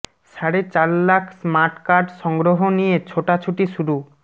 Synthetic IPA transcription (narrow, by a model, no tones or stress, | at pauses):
ʃaɾet͡ɕaɾlakʰsmaɾʈkaɾɖʃɔŋɡɾoɦonijet͡ɕʰoʈat͡ɕʰuʈiʃuɾu